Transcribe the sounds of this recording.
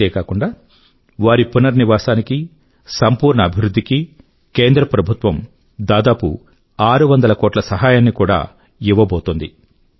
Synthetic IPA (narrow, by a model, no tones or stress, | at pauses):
eːkaːkuɳɖaː | ʋaːɾipunɐɾniʋaːsaːniki | sɐmpuːɾɳɐːbʱiʋɾud̪ʱːiki | ke̞ːnd̪ɾɐpɾɐbʱut̪ʋɐm | d̪aːd̪aːpṵ | aːɾuʋɐnd̪ɐlɐkoːʈlɐsɐɦaːjaːnːikuːɽa̰ː | iʋːɐboːt̪und̪i